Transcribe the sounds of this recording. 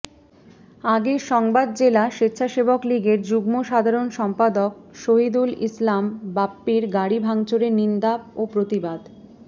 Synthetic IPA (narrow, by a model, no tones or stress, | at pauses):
aɡeʃɔŋbad̪̚d͡ʑelaʃit̪ːɕʰaʃebokliɡeɾd͡ʑuɡmoʃad̪ʱaɾonʃɔmpad̪ok̚ʃoɦid̪ulḭslambapːiɾɡaɽibʱaŋt͡ɕoɾenind̪apopɾot̪ibad̪